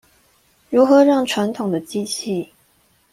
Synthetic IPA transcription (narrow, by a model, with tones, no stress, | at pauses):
ɻu˧˥xɤ˧˦ɻɑ˥˩ŋʈ͡ʂʰwa˧˥nt̪ʰʊ˨˩ŋd̪ə˦t͡ɕi˥t͡ɕʰi˥˩